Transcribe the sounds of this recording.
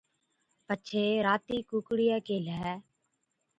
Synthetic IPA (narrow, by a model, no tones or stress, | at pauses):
pəːʃʰeːɾaːt̪iːkuːkɽijɛːkeːlɛː